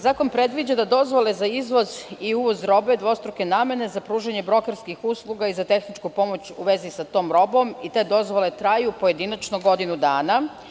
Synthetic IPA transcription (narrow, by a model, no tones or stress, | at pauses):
zaːko̞npɾe̞d̪ʋid͡ʑad̪ad̪o̞zʋo̞le̞zaizʋo̞ziuʋo̞zɾo̞be̞d̪ʋo̞st̪ɾoke̞naːme̞ne̞zapɾuːʒeɲe̞bɾo̞keɾskixuːslˠuɡaizat̪e̞xnit͡ʃkupo̞mo̞t͡ɕṵʋe̞zisat̪o̞ːmɾo̞bo̞mit̪e̞ːd̪o̞zʋo̞le̞t̪ɾajupo̞je̞d̪inat͡ʃnoɡo̞d̪inud̪aːna